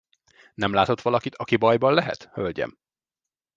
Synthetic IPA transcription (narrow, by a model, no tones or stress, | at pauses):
nɛmlaːt̪o̞t̪ʋɒlɒkit̪ʰɒkibɒjbɒllɛɦɛ̰t̪hølɟɛ̰m